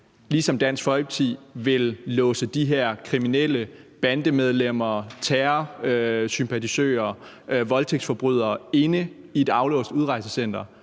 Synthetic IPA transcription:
liːsɒ̽md̥æn̰sɡ̥fɒ̽ɪb̥t͡sʰḭʋe̝lːɔ̽ːsəd̥iɦeɐ̰kʰʁiminel̰əb̥ænd̥əmeð̞ˠlem̰ɐt͡sʰæːɐøsympʰæt͡sʰisø̰ːɐ | ʋɒ̽lt͡sʰeɡ̥sfɒ̽b̥ʁyð̞̰ˠɐːe̝nə | ie̝d̥ɑ̈ʊlɔ̰̽ːsd̥uð̞ˠʁɑ̈ɪsəsen̰d̥ɐ

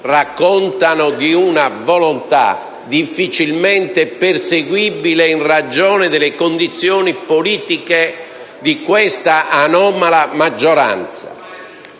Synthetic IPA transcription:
rakːɔnt̪anʊkiunavɔlont̪a̰ | d̪ifːit͡ʃilment̪eperseɡwibileinrad͡ʒɔːnɪd̪elekond̪it̪sjɔːnipoliːt̪ike | d̪ikwest̪aʔanɔːmalamad͡ʒːɔɾa̰nt̪sa̰

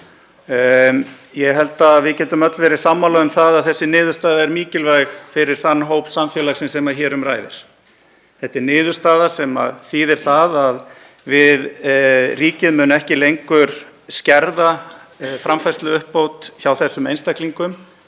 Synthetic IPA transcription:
jɛɣɦɛl̪t̪aðvɪðcɛːt̪ʏmœt̪lvɛːɾɪ̥samːalœɣʏmθaðaðθɛsːɪnɪːðʏ̥st̪aːðaɛɾmiːcɪlvajxfɪɾɪɾ̥θanːɦowpsamfjɛːlaɣsɛmsɛmaçɛːɾʏmraːjðɪ̰ɾ̥ | θɛht̪ːɪɾnɪːðʏɾ̥st̪aːðasɛma̰ðθiðɛɾ̥θaðað | vɪðriːcɪðmʏːnɛhcɪlejŋkʏɾ̥ | scɛɾðafɾamfajst̪lʏʏhpːowt̪çawθɛsːʏmejnst̪ahkliŋkʏm

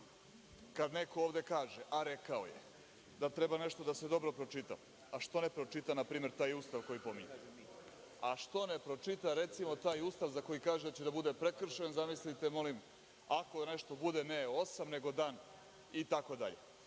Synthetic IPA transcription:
kad̪ne̞ko̞oːʋd̪e̞kaːʒeʔaɾe̞kao̰jḛ | d̪at̪ɾe̞bane̞ʃt̪o̞d̪ase̞d̪o̞bɾo̞pɾo̞t͡ʃit̪a̰ | aʃt̪o̞ne̞pɾo̞t͡ʃit̪anapɾiːme̞ɾt̪aːjust̪aʋko̞jipo̞miɲe | aʃt̪o̞nepɾo̞t͡ʃit̪aɾe̞t̪simo̞t̪aːjust̪aʋzako̞jikaːʒed̪at͡ɕed̪abud̪e̞pɾe̞kr̩ʃenzamislit̪emo̞lim | ako̞ne̞ʃt̪o̞bud̪e̞neosamne̞ɡo̞d̪aːn | it̪ako̞d̪a̰ʎe

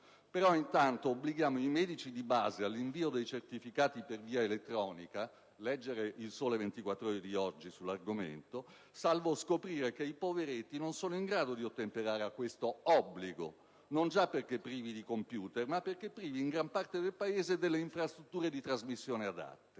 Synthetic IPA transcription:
peɾɔint̪ant̪oːbliɡjaːmoimɛːd̪it͡ʃid̪iba̰ːzealːiɱviːod̪ejt͡ʃert̪ifikaːt̪iperviːaelet̪ːɾɔːnika | lɛd͡ʒːeɾeʔilsoːlevent̪ikwat̪ːɾoɾid̪iɔd͡ʒːisulːarɡomḛnt̪o | salvoskopɾiːɾekeipoveɾet̪ːinonsoːnoiŋɡɾaːd̪od̪iot̪ːempeɾaːɾeakːwest̪oɔbːliɡo̰ | nond͡ʒapːerk̟epːɾiːvid̪ikompjuːt̪ermapːerk̟epːɾiːviːŋɡɾampart̪ed̪elpaeːzed̪elːeiɱfɾast̪ɾut̪ːuːɾed̪it̪ɾazmisːjoːnead̪a̰t̪ːe̥

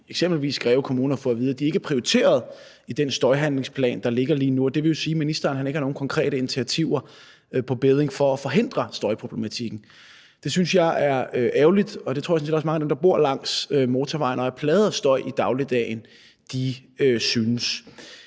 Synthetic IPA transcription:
eɡsem̰b̥l̩ʋḭːsɡ̥ʁɛːʊkʰo̝muːnɐfɒ̽æʋiːðˠd̥iæe̝ɡ̥əpʰʁioit͡sʰe̝̰ːɐð̞̩ˠ | id̥ensd̥ɒ̽ɪɦænle̝ŋspʰlɛ̰ːnd̥ɑ̈le̝ɡ̥ɐliːnuɒ̽d̥e̝ʋe̝jo̝siːminisd̥ɐɐnɦæneɡəhɑno̝ːn̩kʰɒ̽ŋkʰʁɛ̰ːɾəe̝nit͡sʰiɐt͡sʰiʊ̰ɐ | pʰɒ̽b̥eð̞ˠeŋfɒ̽ːfɒ̽ɦe̝n̰d̥ʁɐsd̥ɒ̽ɪpʰʁo̝b̥le̝mæt͡sʰiɡ̥n̩ | d̥e̝synsjɑ̈ɪʔæɐøʔæʊlid̥ɒ̽det͡sʰo̰jsɒned̥ɒsmɑ̈ŋəædemd̥ɑb̥o̝ɐ̰lɑ̈ŋ̰sømo̝ːt͡sʰɒʋɑ̈ɪnɒ̽æɐpʰlɛːð̞ˠsd̥ɒ̽ɪid̥ɑ̈ʊlid̥ɛ̰n | d̥iøsynəs

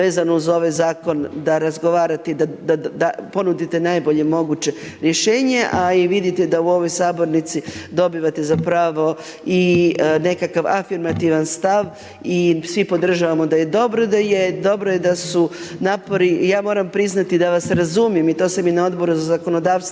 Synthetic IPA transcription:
eːzanouzo̞ʋajzaːko̞nd̪aɾazɡo̞ʋaːɾat̪ed̪ad̪ad̪apo̞nud̪it̪enajbo̞ʎe̞mo̞ɡut͡ɕe̞ | ɾjeʃeːɲe̞ʔaiʋid̪it̪ɛd̪auo̞ʋojsaːbo̞ɾnit̪sid̪o̞biʋat̪ezapɾaːʋo̞ | ine̞kakaʋa̰fiɾmat̪iʋanst̪aʋ | isʋipo̞d̪r̩ʒaʋamod̪aje̞d̪o̞bɾod̪ajed̪o̞bɾojed̪asunaːpo̞ɾijaːmo̞ːɾampɾiznat̪id̪aʋaseɾazumijemit̪o̞ːsaminao̞d̪bo̞ɾuzazako̞no̞d̪aːʋst̪

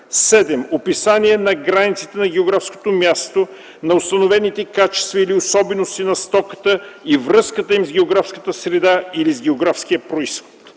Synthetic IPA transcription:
sɛd̪ɛmopisaniɛnɐɡɾanit̪si̥t̪ɛnɐɡ̟ɛoɡɾafsko̥t̪omʲjast̪o | nɐʊst̪ɐnovɛnit̪ɛkat͡ʃɛ̥st̪vɐiliosɔbɛnost̪inɐst̪ɔkət̪əivɾɤskət̪əimzɡʲɛoɡɾafskət̪əsɾɛd̪ailizɡʲɛoɡɾafsk̟ijəpɾoisxo̥t̪

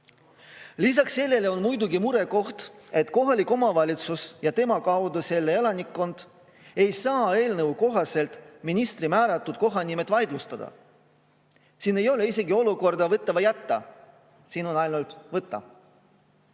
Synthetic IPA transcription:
lis̬ɑksːe̞lːe̞leo̞nmujd̪uɡimuɾe̞ko̞ht̪e̞t̪ˑko̞ɦɑlikːˑo̞mɑvɑlʲit̪susjɑt̪e̞mɑkɑwd̪use̞lːeelɑnikːo̞nd̪̥ | e̞jsɑːe̞ːlnɤvwko̞ɦɑse̞lt̪ˑminist̪rimæːɾɑt̪ːˑud̪̥̚ko̞ɦɑnimet̪ːˑvɑjd̪lust̪ɑd̪ɑ̰ | siːne̞jo̞le̞ise̞ɡio̞luko̞rd̪̥ɑvɤt̪ːˑɑvɑjæt̪ːɑ | siːno̞nɑjlnult̪vɤt̪ːˑɑ̰

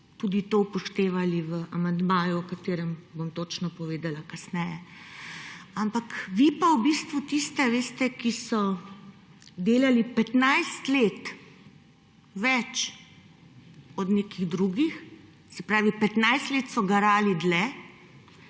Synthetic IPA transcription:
t̪uːd̪it̪owpɔʃt̪eːʋaliʋəʔamand̪maːjuɔkat̪eːɾɛmbomt̪oːt͡ʃnɔpɔʋeːd̪alakɐsnɛjɛ | ampakʋipauwbist̪ʋut̪ist̪ɛʋeːst̪ɛkisɔ | d̪eːlalipɛt̪najst̪leːt̪ | ʋɛt͡ʃ | ɔd̪nekiɣd̪ɾuːɡix | sɛpɾaːʋipɛt̪najst̪leːt̪sɔɡaɾaːlid̪lɛ

